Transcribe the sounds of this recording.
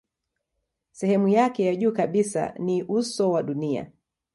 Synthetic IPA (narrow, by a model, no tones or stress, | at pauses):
sɛhɛmujakɛjaʄuːkaɓisa̰niʔusɔwaɗunia̰